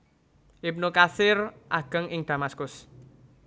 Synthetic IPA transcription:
ʔɪp̚nokasɪrʔaɡ̥ə̤ŋɪŋd̪̥a̤maskʊs

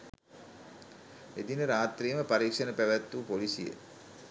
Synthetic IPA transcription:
ed̪inəɾaːt̪riːəməpaɾiːkʂənəpæʋæt̪ːupolisijə̰

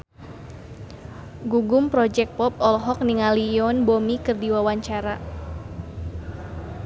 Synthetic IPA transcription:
ɡuɡʊmpɾɔd͡ʒɛk̚pɔp̚ɔlɦɔk̚niŋaliɔnbomikɨrdiwawaɲt͡ʃaɾa

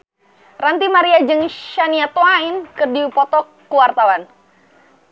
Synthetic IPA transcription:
rant̪imaɾiad͡ʒɨŋʃaniat̪oainkɨrdiupɔt̪ɔkː | uwart̪awan

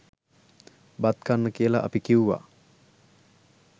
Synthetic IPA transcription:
bat̪kanːəkijəla̰ʔːpikiwuʋa̰

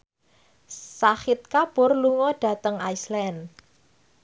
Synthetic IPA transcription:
saxɪt̪̚kabʊrluŋɔɖ̥ä̤t̪əŋajslɛn

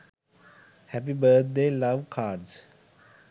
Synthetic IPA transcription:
hɛpibəd̪̚d̪eːlaʋkʰaːɖs

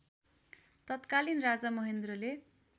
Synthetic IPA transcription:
t̪ʌt̪kalinrad͡zamʌɦend̪role

